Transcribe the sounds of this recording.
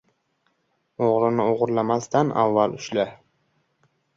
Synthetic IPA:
oʁɾɪnɪoʁʊɾlamast̪ʰanʔa̰vːalʊʃlɪ

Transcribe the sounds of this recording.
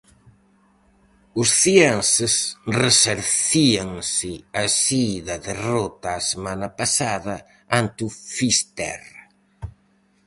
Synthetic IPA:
ʊsθiensɪsreseɾθiaŋsɪasiðɐðerɔt̪ɐːsemanɐpasaðɐ | ant̪ufist̪ɛ̰r

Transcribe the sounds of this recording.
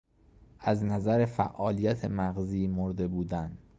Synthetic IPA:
ʔæznæzæɾefæ̰ʔɒːlijæt̪ʰemæɣziːmoɾd̪e̞buːd̪æn

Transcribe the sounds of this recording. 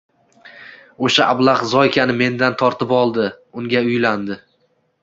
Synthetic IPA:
oʃaʔablˠaχzɒjkʲʰanɪme̞nd̪ant̪ʰɒɾt̪ɪpɒlˠd̪ɪ | ʊŋɡʲaʊjland̪ɪ

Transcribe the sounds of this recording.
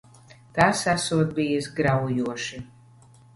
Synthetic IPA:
t̪aːsasuɔt̪̚bijɨsɡɾawjuɔʃi

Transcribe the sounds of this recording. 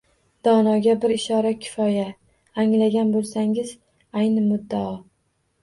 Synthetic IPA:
d̪̥ɒnɒɡʲabɪɾɪʃɒɾakʲʰɪ̥fɒja | aŋlaɡʲanbolˠsaŋɪz | ajnɪmʊd̪ːaɒ

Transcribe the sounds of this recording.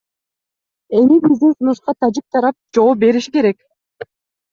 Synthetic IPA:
e̞mibizd̪insunuʃqɑt̪ʰad͡ʒik̚t̪ʰɑɾɑp̚d͡ʒo̞p̚be̞ɾiʃi̥ke̞ɾe̞k

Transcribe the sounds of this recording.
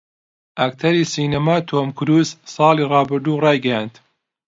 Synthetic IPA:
ʔakt̪ʰɐɾisiːnɐmaːt̪ʰomkʊɾuzsˤɑːliːrˤɑːbɨɾd̪uːrˤɑːjɡɐjaːnt̪

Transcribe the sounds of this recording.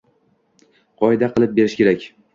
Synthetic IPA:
qʰɒed̪aqʰɨlˠɪp̚be̞ɾɪʃkʲʰe̞ɾakʲ

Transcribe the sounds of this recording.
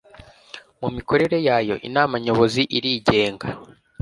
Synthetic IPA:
mumiko̞ɾe̞ɾe̞jaːjo̞̰ʔḭnaːmaɲo̞βo̞ziʔiɾiːɟe̞ːŋɡa

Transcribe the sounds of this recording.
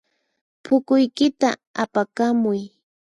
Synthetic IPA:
pʰʊkʊjkɪt̪aapakamʊj

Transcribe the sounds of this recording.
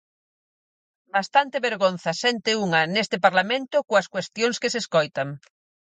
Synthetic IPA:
bast̪ant̪ɪβeɾɣon̟θɐsɛnt̪euŋɐnest̪ɪpaɾlamẽnt̪ʊkoɐskwest̪joŋskɪseskojt̪ɐŋ

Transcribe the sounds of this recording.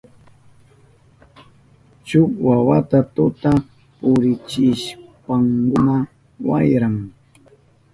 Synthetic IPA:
t͡ʃʊkwawat̪at̪ʊt̪a | pʊɾɪt͡ʃɪʃpaŋkʊna | wa̰jɾaŋ

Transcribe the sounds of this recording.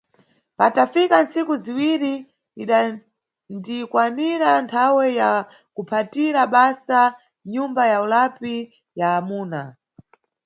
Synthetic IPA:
patafikansikuziwiɾi | iɗa | ndikwaniɾantʰawɛja | kupʰatiɾaɓasa | ɲumbajaulapi | jaːmuːna

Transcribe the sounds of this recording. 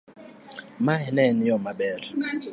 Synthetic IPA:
maɦɛnɛnijɔmaɓɛːrɛ

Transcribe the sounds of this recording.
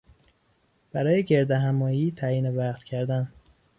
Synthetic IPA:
b̥æɾɒːjeɟe̞ɾd̪eɦæmɒːjiːt̪ʰæjiːnevæɢt̪cʰæɾd̪æn

